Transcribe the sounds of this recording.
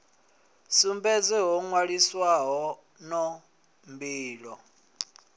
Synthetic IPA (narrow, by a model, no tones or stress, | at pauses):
sumbɛd͡zɛɦɔŋwaɺiswaɦɔ | nɔ | mbiːlɔ